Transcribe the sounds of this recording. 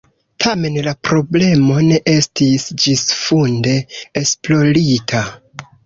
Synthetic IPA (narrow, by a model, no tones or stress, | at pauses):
tʰame̞nlapɾo̞ble̞mo̞ne̞ʔe̞stisd͡ʒisfunde̞ːsplo̞ɾitʰa